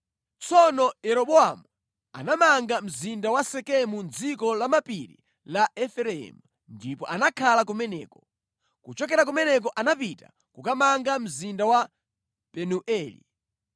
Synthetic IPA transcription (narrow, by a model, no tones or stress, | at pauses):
t͡sɔnɔjɛɾɔbɔamu | a̰namaŋɡam̩zindawasɛkɛmund͡zikɔlamapiɾḭ | laɛfɛɾɛɛ̰mu | ndipɔʔanakʰalakumɛnɛ̰ːkɔ̥ | kut͡ʃɔkɛɾak̬umɛnɛk̬ɔʔanapita̰ | kukamaŋɡam̩zindawa | pɛnuʔɛːlḭ